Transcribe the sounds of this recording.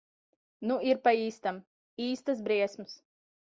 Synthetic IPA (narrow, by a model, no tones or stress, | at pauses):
nuiɾpaiːst̪am | iːst̪ɨs̬bɾiɛsms